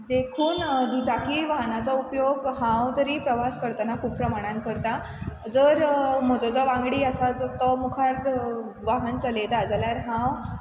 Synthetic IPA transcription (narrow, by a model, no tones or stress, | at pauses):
d̪ekʰuːnd̪ud͡zakʰiːʋaɦnat͡saupjoɡɦãwt̪əɾiːpɾəʋaskəɾt̪ənakʰuːpːɾəmaɽ̃ãnkəɾt̪a | d͡zəɾm̤əd͡zɔd͡zɔʋãŋɡɽiːəsad͡zot̪ɔmukʰaɾ | ʋaɦənt͡salet̪ad͡zljaɾɦãw